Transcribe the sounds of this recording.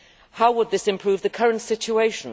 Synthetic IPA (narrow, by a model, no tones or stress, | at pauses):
haʊwəd̪̚ðɪsɪ̃mpʰɹ̥ʉːvðəkʰʌɹə̃ntsɪt͡ʃueɪʃə̃n